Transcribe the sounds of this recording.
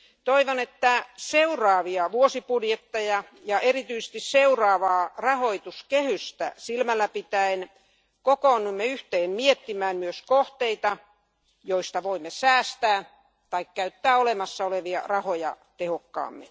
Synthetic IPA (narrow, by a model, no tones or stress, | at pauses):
t̪oiʋonet̪ːæseurˑɑːʋiɑʋuosipudjet̪ːejɑ | jɑʔerit̪yise̥st̪isseurɑːʋɑːrɑhoit̪uskehyst̪æ̰silmælːæpit̪æin | kokoːnːumːeyht̪eːnmiet̪ːimæːnmyøskoht̪eit̪ɑ | joist̪ɑʋoimːesæːst̪æː | t̪ɑikkæyt̪ːæːolemɑsːɑoleʋiɑ̰rɑhojɑ̰ | t̪ehokːɑ̰ːmːḛ